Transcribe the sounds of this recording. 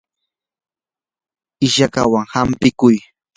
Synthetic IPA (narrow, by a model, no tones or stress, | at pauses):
ɪʃaka̰waŋhampɪkʊj